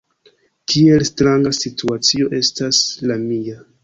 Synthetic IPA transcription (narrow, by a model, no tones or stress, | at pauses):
kʰie̞lstɾaŋɡasitʰuat͡sio̞ʔe̞staslamia